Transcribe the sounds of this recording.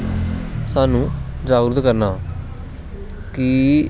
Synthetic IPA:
saːnũːzaːɾd̪kəɾnaː | ki

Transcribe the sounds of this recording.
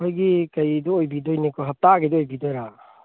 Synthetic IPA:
ojɡikɐjdɔojbidojnikɔɦɐp̚taɡedɔːjbidɔjɾa

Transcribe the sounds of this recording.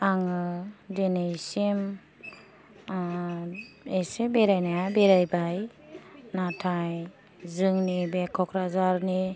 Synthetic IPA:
aŋɯdenejsem | esebeɾajnajabeɾajbaj | natʰaj | zɯŋnibekʰɔkʰɾazaɾni

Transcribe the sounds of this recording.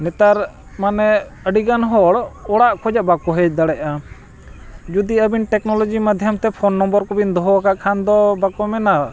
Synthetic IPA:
nɛt̪aɾ | manɛ | əɖiɡanɦɔɽɔɽaʔkʰɔd͡ʒaʔbakɔɦɛt͡ʃ̚d̪aɽɛʔa | d͡ʒud̪iəbinʈɛknɔlɔd͡ʒimad̪ʱjamt̪ɛpʰɔnːɔmbɔɾkɔbind̪ɔɦɔakaʔkʰand̪ɔbakɔmɛna

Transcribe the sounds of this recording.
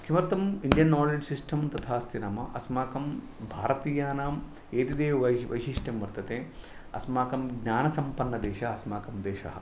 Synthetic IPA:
kʰimɐɾt̪ɐmiɳɖijɐnːaːled͡ʒsisʈʰɐmt̪ɐt̪ʰaːst̪inaːmɐʔɐsmaːkɐm | bʱaːɾɐt̪iːjaːnaːm | eːt̪id̪eːʋɐʋɐ̰jʃiʂʈjɐmʋɐɾt̪ɐt̪eː | ɐ̰smaːkɐmɡɲaːnɐsɐmpɐnːɐd̪eːʃɐɦɐsmaːkɐmd̪eːʃɐ̰ɦɐ̰̆

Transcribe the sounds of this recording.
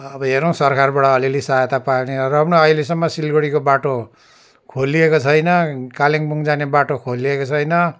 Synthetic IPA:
ʌbʌɦeɾow̃sʌrkʰarbaʈʌʌlilesaajt̪apaeneɾʌbnoʌilesʌmːʌsilɡoɽikobaʈo | kʰolːiekot͡sʰʌjnʌkaleŋbuŋd͡zanebaʈokʰolːiekot͡sʰʌjnʌ

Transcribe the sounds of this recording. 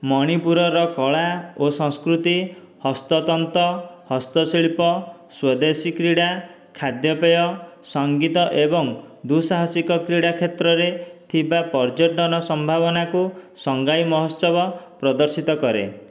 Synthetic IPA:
mɔɽ̃ipuɾɔɾɔkɔɭaosɔ̃ŋskɾut̪i | hɔst̪ɔt̪ɔnt̪ɔhɔst̪ɔsiɭpɔ | swɔd̪esikɾiɽa | kʰad̪jɔpɔjɔsɔŋɡit̪ɔʔebɔŋd̪usaɦɔsikɔkɾiɽakʰet̪ɾɔɾet̪ʰibapɔɾd͡ʒɔɖɔnɔsɔmbʱabɔnakusɔŋɡajmɔɦɔsɔbɔpɾɔd̪ɔɾsit̪ɔkɔɾḛ

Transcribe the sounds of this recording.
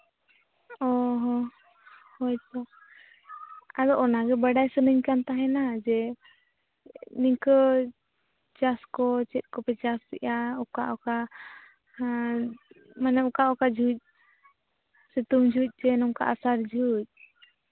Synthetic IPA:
ɔɦɔ | hɔjt̪ɔ | ad̪ɔʔɔnaɡɛbəɖajsənəɲkant̪aɦɛnad͡ʒɛ | niɲkə | t͡ʃaskɔt͡ʃɛt̪̚ˀkɔpɛt͡ʃast̪ɛ̰ʔaɔkaʔɔka | manɛukaʔɔkad͡ʒuc̚ | sit̪umd͡ʒʱuc̚ˀd͡ʒɛnɔŋka̰ʔasaɾd͡ʒʱuc̚

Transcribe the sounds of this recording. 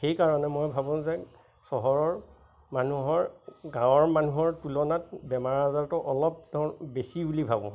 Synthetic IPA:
xejkaɹɔnɛmojbʱabʊ̃zɛ | sɔɦɔɹɔɹ | manuɦɔɹɡãw̃ɔɹmanuɦɔɹtulɔnat̚bɛmaɹazaɹtɔʔɔlɔp̚dɔbesibulibʱabɔ̰̃

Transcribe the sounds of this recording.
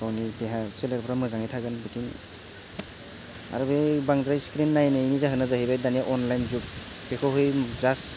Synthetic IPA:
kawnibeɦaseleɾpʰɯɾamɯzaŋajtʰaɡɯnbɯtinḭ | a̰ɾubebaŋdɾajskɾinːajnɯinizaɦɯnazaɦibajdanijaʔɔnlajnzuk̚ | bekʰɔɦɯjzas

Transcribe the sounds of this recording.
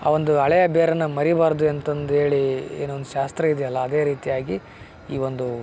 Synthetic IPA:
a̰ːʋo̞nd̪uɐɭɐjɐbeːɾɐnːɐmɐɾibaːɾɐd̪uent̪ɐnd̪ue̞ːɭiḛːnuʋond̪uʃaːst̪ɾɐid̪ɛjɐlːɐːd̪e̞ːɾiːt̪ijaːɡi | iːʋo̞nd̪u

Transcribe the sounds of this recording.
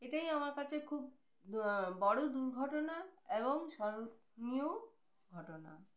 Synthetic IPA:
eʈajamaɾkat͡ɕʰekʰub̚ | bɔɽod̪uɾɡʱɔʈonaeboŋʃɔɾo | nio | ɡʱɔʈona̰

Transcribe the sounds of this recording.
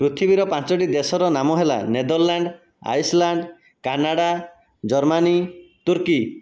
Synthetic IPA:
pɾut̪ʰibiɾɔpãt͡ʃɔʈid̪esɔɾɔnamɔɦela̰ned̪ɔɾlaɳɖ | a̰jslaɳɖ | kanaɽa | d͡ʒɔɾmanit̪uɾki

